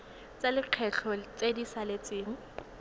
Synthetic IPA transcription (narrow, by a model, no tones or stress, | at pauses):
t͡sʼalɪq͡χʰɛɬʰɔt͡sʼedisalet͡sʼɪːŋ̩